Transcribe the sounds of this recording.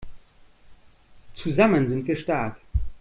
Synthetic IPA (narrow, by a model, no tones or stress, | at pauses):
t͡suzamənzɪntfiɐʃtaːɐk